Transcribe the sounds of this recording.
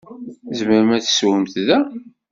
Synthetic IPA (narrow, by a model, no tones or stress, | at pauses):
zməɾəmæθswəmt̪ðæ